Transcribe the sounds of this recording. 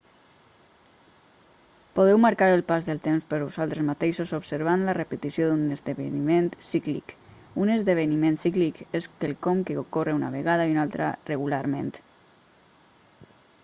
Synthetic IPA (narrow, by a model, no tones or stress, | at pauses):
poð̞ɛwmaɾkaɾəlˠpazðəlˠt̪emspəɾβozalˠt̪ɾezmat̪eʃozobsəɾβanlarəpət̪isioðunəzðəβḛniment̪siklḭk | unəzðəβənimẽnt̪siklikeskelˠkɔmkeokoreuna̰βeɣað̞aiunalˠt̪ɾa̰reɣulaɾmḛnt̪